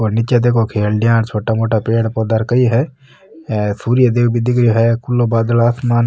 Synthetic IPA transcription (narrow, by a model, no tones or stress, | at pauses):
onɪt͡ʃed̪eːkʰokʰeːlɖɪjãːnt͡ʃʰoːʈamoːʈaːpeːɽpɔːd̪aɾkəiɦɛ | suːɾijad̪eːbʱid̪ɪɡɾɦɛːkʊlːobaːd̪əlaːsmaːn